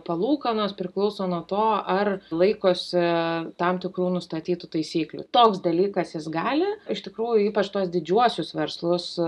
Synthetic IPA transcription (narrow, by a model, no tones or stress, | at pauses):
pɐlˠuːkɐnoːspʲɾʲɪklˠɔʊsoːnuɔt̪oːɐrlˠɐɪkoːsʲɪt̪ɑmt̪ʲɪkɾuːnʊst̪ɐt̪ʲiːt̪ʊt̪ɐɪsʲiːklʲṵt̪oːksd̪ɐlʲiːkɐsjɪsɡɑːlʲɪɪʃt̪ʲɪkɾuːjʊiːpɐt͡ʃt̪uɔsd̪ʲɪd͡ʒʲuɔsʲʊsʋʲɛɾslˠʊs